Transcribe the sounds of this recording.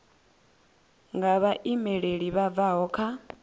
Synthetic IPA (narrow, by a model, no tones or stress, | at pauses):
ŋɡaβaʔimɛɺeɺiβavaɦɔkʰa